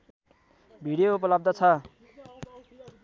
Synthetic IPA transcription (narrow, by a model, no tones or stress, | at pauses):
bʱiɽijoupʌlʌb̚d̪ʌt͡sʰʌ